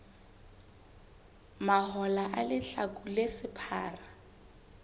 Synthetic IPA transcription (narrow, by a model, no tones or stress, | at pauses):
mahɔlaʔalɪɬakʼulesɪpʰa̰ːra